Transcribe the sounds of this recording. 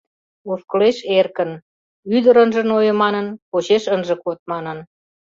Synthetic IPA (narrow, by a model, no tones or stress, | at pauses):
ofkəleʃerkən | yd̪əɾənʒə̆nojə̆mɑnənpot͡ɕeʃənʒə̆kot̪̚mɑnən